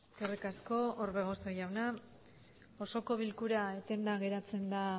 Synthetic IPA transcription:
skerikasko̞oɾβe̞ɣ̞o̞so̞jawna | oso̞ko̞β̞ilkuɾaet̪e̞nd̪aɣe̞ɾat͡se̞nd̪a

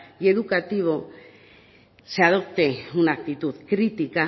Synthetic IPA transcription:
je̞ðukat̪iβo | seaðo̞p̚t̪eunak̚t̪it̪uðkɾit̪ika

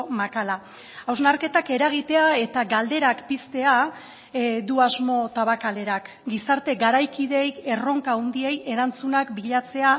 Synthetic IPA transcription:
makala | awznaɾke̞t̪ake̞ɾaɣ̞it̪e̞ae̞t̪aɡald̪e̞ɾakpist̪e̞a | d̪uazmo̞t̪aβakale̞ɾak | ɡisaɾt̪e̞ɡaɾajkiðe̞je̞ro̞ŋkaund̪ie̞je̞ɾant͡sunakbiʎat͡se̞a

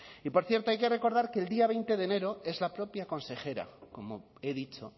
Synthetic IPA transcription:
ipo̞ɾθje̞ɾt̪oajke̞re̞ko̞ɾðaɾke̞ːld̪iaβ̞e̞jnt̪e̞ðe̞ne̞ɾo̞e̞zlapɾo̞pjako̞nse̞xe̞ɾa̰ko̞mo̞̰e̞ðit͡ʃo̞

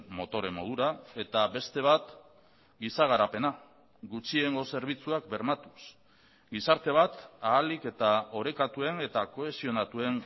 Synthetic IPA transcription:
mo̞t̪o̞ɾe̞mo̞ð̞uɾae̞t̪aβe̞st̪e̞β̞at̪ | ɡisaɣ̞aɾape̞na | ɡut͡ʃie̞ŋɡo̞se̞ɾβ̞it͡suakbe̞ɾmat̪us | ɡisaɾt̪e̞β̞at̪aːlike̞t̪ao̞ɾe̞kat̪ue̞ne̞t̪ako̞e̞sio̞nat̪ue̞ŋ

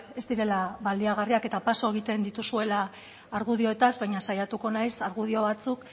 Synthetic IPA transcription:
e̞zd̪iɾe̞laβald̪iaɣ̞ariake̞t̪apaso̞e̞ɣit̪e̞nd̪it̪usue̞laː | ɾɣuðio̞e̞t̪azβajɲasajat̪uko̞najsaɾɣuð̞io̞βat͡suk

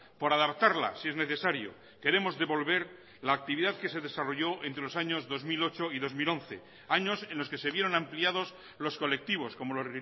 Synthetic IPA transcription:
po̞ɾaðapt̪aɾla̰sie̞zne̞θe̞saɾjo̞̰ | ke̞ɾe̞mo̞zðe̞βo̞lβe̞ɾ | laːk̚t̪iβiðaðke̞se̞ðe̞saro̞ʝo̞ʔent̪ɾe̞lo̞saɲo̞zðo̞zmilo̞t͡ʃo̞iðo̞zmilõ̞nθe̞̰ | aɲo̞sẽ̞nloske̞se̞βjeɾo̞nampliað̞o̞s | lo̞sko̞le̞k̚t̪iβ̞o̞sko̞mo̞lor

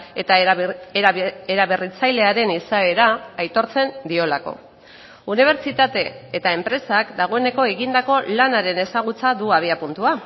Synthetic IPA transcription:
t̪aeɾe̞ɾaβe̞rit͡sajle̞aɾe̞nisae̞ɾaːjt̪o̞ɾt͡se̞nd̪io̞lako̞̰ | uniβ̞e̞ɾt͡ʃit̪at̪e̞ːt̪ae̞mpɾe̞sakd̪aɣ̞o̞ene̞ko̞e̞ɣind̪ako̞lanaɾe̞ne̞saɣ̞ut͡saðuaβ̞iapunt̪ua

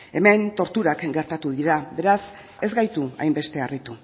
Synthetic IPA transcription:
e̞me̞nt̪o̞ɾt̪uɾakɡe̞ɾt̪at̪uðiɾabe̞ɾas | e̞zɡajt̪ua̰jmbe̞st̪e̞arit̪u

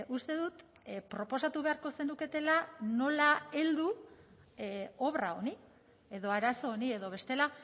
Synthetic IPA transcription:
ʔust̪e̞ðut̪ | pɾo̞po̞sat̪uβe̞aɾko̞se̞nuke̞t̪e̞lano̞lae̞ld̪u | o̞βraoni | e̞ðo̞aɾaso̞ːnie̞ðo̞β̞e̞st̪e̞la

